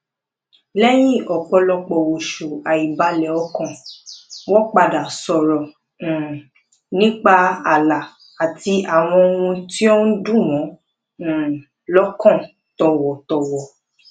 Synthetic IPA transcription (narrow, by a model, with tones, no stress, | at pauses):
lɛ˦j̃ĩ˦˨ʔɔ˨k͡pɔ˧lɔ˧k͡pɔ˨wo˨ʃu˨a˨i˨ba˨˦lɛ˨ɔ˧˦kɔ̃˦˨ | wɔ̃˦k͡pa˧˨da˨sɔ˨ɾɔ̃˨ | nĩ˦k͡pa˧a˨la˨ | a˨ti˧a˦˨w̃ɔ̃˧o˧wũ˧ti˦o˦n̩˦dũ˦˨wɔ̃˨˦˨ | lɔ˦kɔ̃˦˨ | tɔ˨wɔ˨tɔ˨wɔ˨